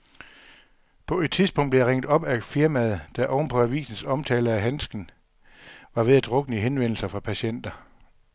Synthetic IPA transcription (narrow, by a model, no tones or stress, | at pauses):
pʰɒ̽e̝d̥̚t͡sʰiðˠsb̥ɔ̽ŋ̰d̥̚blejʁeŋ̰d̥ˠɒ̽b̥æfiɐmæð̞ˠd̥æʔɒʊn̩pʰɒ̽æʋḭːsn̩sɒ̽mt͡sʰɛːlɐæɦænsɡ̥n̩ | ʋɑ̈ʋe̝ðˠæd̥ʁɔ̽ɡ̥ənəɦenʋen̰l̩sɐfʁɑ̈pʰæɕen̰d̥ɐ